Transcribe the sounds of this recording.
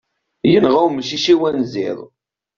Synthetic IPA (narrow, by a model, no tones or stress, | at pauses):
jənʁawməʃiʃiwænzɪ̰ðˤ